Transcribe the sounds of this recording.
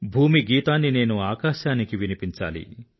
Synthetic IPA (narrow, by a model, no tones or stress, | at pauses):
bʱuːmiɡiːt̪aːnːine̞ːnuaːkaːʃaːnikiʋinipiɲt͡ʃa̰ːlḭ